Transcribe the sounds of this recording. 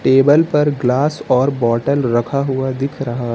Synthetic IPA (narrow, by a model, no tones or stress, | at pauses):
ʈeːbəlpɐɾɡlaːsɔːɾbɔːʈəlɾɐkʰaɦʊad̪ɪkʰɾɐɦa